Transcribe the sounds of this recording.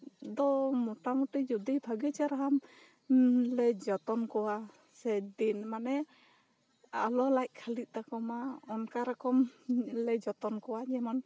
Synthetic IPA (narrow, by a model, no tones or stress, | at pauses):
d̪ɔmɔʈamɔʈid͡ʒud̪ijbʱaɡɛt͡ʃaɾaɦam | lɛd͡ʒɔt̪ɔnkɔwa | sɛd̪inmanɛ | alɔlajʔ̚ˀkʰalit̪̚ˀt̪akɔmaɔnkaɾɔkɔmlɛd͡ʒɔt̪ɔnkɔwad͡ʒɛmɔn